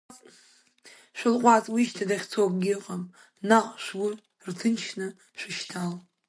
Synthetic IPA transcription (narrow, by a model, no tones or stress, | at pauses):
t͡sʼ | ʃʷᶣɪlqʷʼat͡sʼwiʃtʰadaχʲt͡sʰopʼɡʲɪqʼam | naqʼʃʷɡʷʊ | rtʰɨnt͡ʃʰnɨ | ʃʷɪʃtʰal